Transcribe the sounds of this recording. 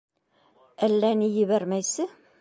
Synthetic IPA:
ælːænijɘ̆βæɾmæjsɘ

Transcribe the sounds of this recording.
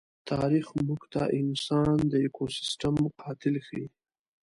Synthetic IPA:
t̪ʰɑɾixmuɡt̪aʔɪnsɑnd̪əekʰosɪ̥sʈamqʰɑt̪ɪlxi

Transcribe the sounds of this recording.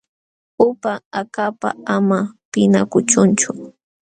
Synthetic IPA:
ʊpaakapa̰amapɪna̰kʊt͡ʃʊnt͡ʃʊ

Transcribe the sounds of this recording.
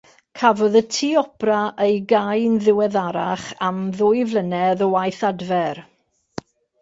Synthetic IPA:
kʰavɔðətʰiːɔpraʔejɡajnðɪwɛðaɾaχamðʊːjvlənɛðɔwajθadvɛr

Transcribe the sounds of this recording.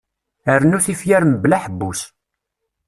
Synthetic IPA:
əɾnuθifjæɾməblaħəbːus

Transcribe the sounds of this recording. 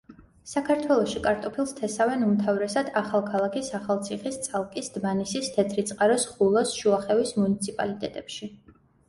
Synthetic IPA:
sakʰaɾt̪ʰwɛlˠɔʃikʼaɾt̪ʼɔpʰilˠst̪ʰɛsavɛnumt̪ʰavɾɛsad̪aχalˠkʰalˠakʰisaχalˠt̪sʰiχist̪sʼalˠkʼisd̪̥manisist̪ʰɛt̪ʰɾit̪sʼqʼaɾɔsχulˠɔsʃuaχɛvismunit̪sʰipʼa̰lit̪ʼɛt̪ʼɛpʃi

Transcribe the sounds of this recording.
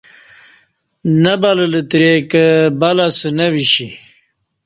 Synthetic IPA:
nɐbalələt̪ɾekəbalasənɐwiɕi

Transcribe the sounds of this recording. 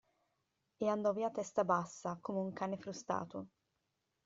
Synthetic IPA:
eand̪ɔviːat̪ɛst̪abasːakomeuŋkaːnefɾust̪a̰ːt̪ʊ

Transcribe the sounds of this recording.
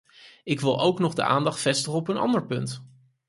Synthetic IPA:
ɪkʋɪlˠowknɔχdə̰a̰ːndɑχtfɛstəχəɔpənɑ̰ndəɹpɵnt

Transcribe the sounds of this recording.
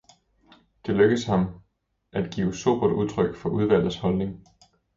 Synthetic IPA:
d̥e̝løɡ̥əðshɑ̈m | ʔæd̥ɡ̥ḭoso̝̰b̥ɐduðˠt͡sʰʁœɡ̥fɒ̽ʔuð̞ˠʋæl̰dð̩ˠshɒ̽lne̝ŋ

